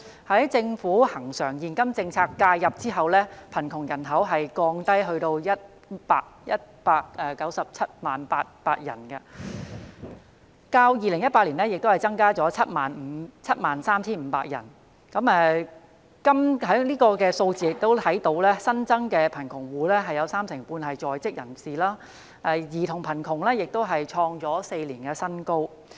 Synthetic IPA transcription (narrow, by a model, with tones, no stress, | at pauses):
hɐ˨˥jt͡sɪ˧ŋfuː˨˥hɐ˨˩ŋsœː˨˩ŋjiː˨nkɐ˥mt͡sɪ˧ŋt͡sʰaː˧kːaː˧jːɐ˨p̚t͡siː˥ɦɐ˨wlɛː˥pʰɐ˨˩nkʰʊ˨˩ŋjɐ˨˩nɦɐ˨˥wɦɐ˨jkɔː˧ŋt̪ɐ˥jɦɵ˧ɥt̪o˧wjɐ˥t̚ | paː˧k̚jɐ˥t̚paː˧k̚ɛː˨˧kɐ˨˥wsɐ˨p̚t͡sʰɐ˥t̚maː˨npaː˧t̚paː˧t̚jɐ̰˨˩nkɐ˧ | kaː˧wjiː˨˧lɪ˨˩ŋjɐ˥t̚paː˧t̚liː˨˩nɛː˥jɪ˨k̚t̪o˥hɐ˨jt͡sɐ˥ŋkaː˥t͡sɔː˨˥t͡sʰɐ˥t̚maː˨nm̩˨˧˥t͡sʰɐ˥t̚maː˨nsaː˥mt͡sʰiː˥nm̩˨˧˥paː˧k̚jɐ̰˨˩n | kɐ˨˥mɛː˧ | kɐ˥mɦɐ˨˥niː˥kɔː˧kɛː˧so˧wt͡siː˨˧jɪ˨k̚t̪o˥wt̪ʰɐ˨˥jt̪o˨˧˥wlɛː˥sɐ˥nt͡sɐ˥ŋkɛː˧pʰɐ˨˩nkʰʊ˨˩ŋwuː˨lɛ˥ɦɐ˨jːɐ˨˧wsaː˥msɪ˨˩ŋpuː˧nɦɐ˨jt͡ʃɔː˨jt͡sɪ˥k̚jɐ̰˨˩nsiː˨laː˥ | ʔɛ˧˩jiː˨t̪ʰʊ˨˩ŋpʰɐ˨˩nkʰʊ˨˩ŋlɛː˥jɪ˨k̚t̪o˥wɦɐ˨jt͡ʃʰɔː˧ŋt͡sɔː˨˥se˧jliː˨˩nkɛ˧sɐ˥nko˥w